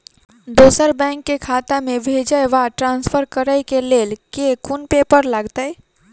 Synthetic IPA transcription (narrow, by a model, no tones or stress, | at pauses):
d̪osəɾbɛ̃ŋkːekʰat̪amebʱed͡ʒəʋaʈɾãnspʰəɾkəɾəkelelkekunpepəɾləɡt̪əj